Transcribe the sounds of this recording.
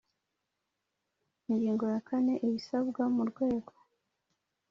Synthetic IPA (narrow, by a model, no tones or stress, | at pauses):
iɲɟiːŋɡo̞jakʰane̞ʔejisaβɡamuɾɡwe̞ːɡo̞